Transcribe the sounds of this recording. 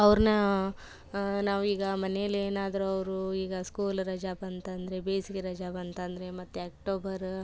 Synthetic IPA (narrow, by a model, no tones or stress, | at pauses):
ɐʋɾnɐ | naːʋuiːɡɐmɐnejɐlːeːnaːd̪ɐɾuɐʋɾuiːɡɐskuːlɾɐd͡ʒabɐnt̪ɐnd̪ɐɾe̞beːsikɾɐd͡ʒabɐnt̪ɐnd̪ɐɾe̞mɐt̪ːuaːk̚ʈoːbɐɾ